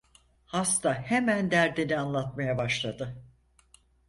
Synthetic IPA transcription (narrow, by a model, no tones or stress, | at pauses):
hast̪ʰahemænd̪æɾd̪inianlˠat̪majabaʃlˠad̪ɯ